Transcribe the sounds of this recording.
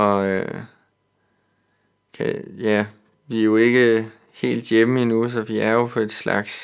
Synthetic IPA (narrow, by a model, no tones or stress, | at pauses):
ɒ̽ø | kʰæjæ | ʋiæjo̝e̝ɡ̥ə | he̝̰ːld̥jeməinus̬ɒ̽ʋiæɐjo̝pʰɒ̽e̝d̥slɑ̈ɡ̥s